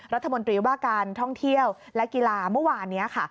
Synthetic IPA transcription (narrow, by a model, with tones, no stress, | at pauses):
ɾa˦˥t̪ʰːa˧mo˧nt̪ɾiː˧waː˥˩kaː˧nt̪ʰɔ˥˩ŋt̪ʰi˥˩əw | lɛ˦˥kiː˧laː˧mɯ˥˩waː˧nːi˦˥ɐkʰa˥˩